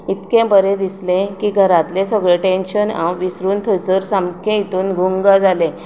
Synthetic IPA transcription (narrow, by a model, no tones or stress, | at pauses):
it̪kẽbəɾẽd̪islẽkiːɡʱəɾãt̪lẽsəɡɭeʈenɕənã̰wʋisɾuːnt̪ʰət͡səɾsamkʰẽit̪uːnɡʱuŋɡad͡zalẽ